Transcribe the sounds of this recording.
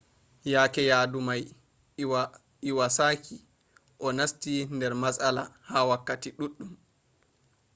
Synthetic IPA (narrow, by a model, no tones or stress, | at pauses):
jaːkɛjaːdumaj | iwasaːkʰi | ʔɔnastindɛɾmasalahawakːatiɗuɗːum